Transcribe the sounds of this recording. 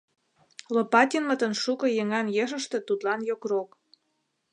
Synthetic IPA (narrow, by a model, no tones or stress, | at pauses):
lopɑt̪ʲinmə̆t̪ə̆nʃukɤ̆jĕŋɑnjeʃ̬ə̆ʃt̪ɤ̆t̪ut̪lɑnjokrok